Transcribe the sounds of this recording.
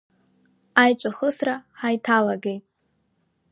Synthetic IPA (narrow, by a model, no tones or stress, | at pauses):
ajt͡ʃʷʼaχəsraħajtʰalaɡejtʼ